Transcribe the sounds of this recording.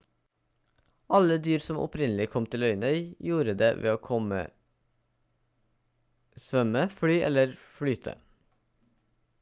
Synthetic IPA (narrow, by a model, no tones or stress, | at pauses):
ʔɑləd̪yːɾsɔmʔɔ̰pʰɾɪnlɪkʰɔmt̪ʰɪlœʏnœʏjuːɾəd̪ḛːʋʔḛːoːkʰɔmə̰ | sʋœməfɽyːʔɛ̰ləɾfɽyːt̪ʰə̰